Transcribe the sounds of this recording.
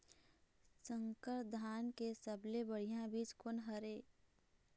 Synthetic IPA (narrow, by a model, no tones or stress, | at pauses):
səŋkəɾd̪ʱaːnkesəblebəɽ̤ijãbiːd͡ʒkonɦəɾe